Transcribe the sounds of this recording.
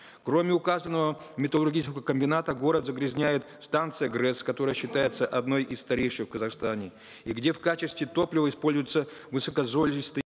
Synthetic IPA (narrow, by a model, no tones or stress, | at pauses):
kɾo̞mʲɪʊkazənːəvəmʲɪt̪əlˠʊrɡʲit͡ʃɪskəəkəmʲbʲɪnat̪əɡo̞ɾət̪zəɡɾʲɪzʲnʲæjɪt̪st̪ant̪sɨjəɡɾɛskɐt̪o̞ɾəjəɕːɪt̪ajɪt̪səʔɐd̪no̞jʔɪsːt̪ɐɾʲejʂɨxfkəzɐxst̪anʲɪ | iɡdʲe̞fkat͡ɕɪst̪vʲɪt̪o̞plʲɪvəɪspo̞lʲzʊjɪt̪səvɨsəkɐzolʲɪst̪ɨ